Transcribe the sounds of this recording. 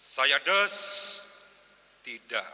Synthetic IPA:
sajadəs | t̪ida̰ʔ

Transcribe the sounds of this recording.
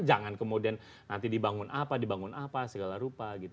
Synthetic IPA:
d͡ʒaŋankəmodian | nant̪idibaŋʊnʔapadibaŋʊnapasəɡalaɾupaɡit̪

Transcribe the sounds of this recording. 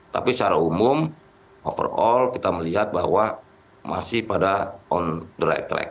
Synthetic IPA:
t̪a̰pist͡ʃaɾaumʊm | ʔɔfə̰rɔlkit̪aməliɦat̪̚baɦwa | mʔa̰sɪhpadaɔndəɾa̰jt̪ɾɛ̰k̚

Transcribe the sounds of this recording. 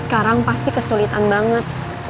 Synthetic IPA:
sə̥kaɾaŋpast̪ikəsulit̪anbaŋət̪̚

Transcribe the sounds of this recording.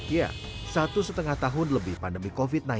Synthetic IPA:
ja̰ | sat̪usət̪əŋaht̪aɦʊnləbɪhpandəmikofit̪̚na

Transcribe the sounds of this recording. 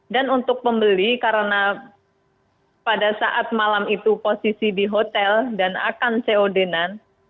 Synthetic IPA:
danunt̪ʊk̚pəmbəlikaɾəna | padasaʔat̪̚malamit̪uposisidiɦot̪ɛldana̰kanseodenan

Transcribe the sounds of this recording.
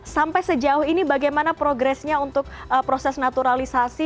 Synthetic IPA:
sampajsəd͡ʒaʊhinibaɡajmanapɾoɡɾɛsɲaunt̪ʊk̚əpɾosɛsnat̪uɾalisasi

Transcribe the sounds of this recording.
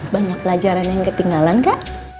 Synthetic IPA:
baɲak̚pəlad͡ʒaɾanjaŋkət̪iŋɡalankaʔ

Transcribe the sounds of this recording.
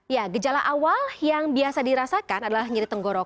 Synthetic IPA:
jaɡəd͡ʒalaʔawaljaŋbiasadiɾasakanadalahɲiɾit̪əŋɡɔɾɔk̚

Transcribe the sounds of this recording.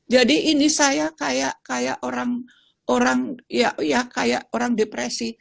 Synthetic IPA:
d͡ʒadiʔinisajakajaʔkajaʔoɾaŋ | oɾaŋjaʔjakajaʔoɾaŋdepɾesi

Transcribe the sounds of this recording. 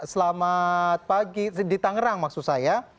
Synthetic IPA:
səlamat̪̚paɡidit̪aŋəɾaŋmaksusaja

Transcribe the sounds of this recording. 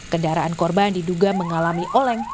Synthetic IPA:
kəndaɾaʔankɔrbandiduɡaməŋalamiʔolɛŋ

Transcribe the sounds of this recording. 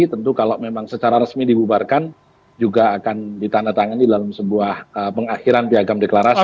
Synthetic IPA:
it̪ənt̪ukaloʔmemaŋsət͡ʃaɾaɾəsmidibubarkan | d͡ʒuɡaːkandit̪anat̪aŋandidalamsəbuahəpəŋaxiɾanpiaɡamdeklaɾas

